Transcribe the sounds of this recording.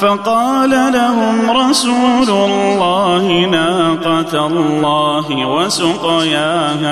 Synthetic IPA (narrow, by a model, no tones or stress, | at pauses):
fɑqɑːlalaɦʊmɾˤɑsuːlʊlːɑːhɪnaːqɑt̪lːɑːɦɪwasʊqɑjaːha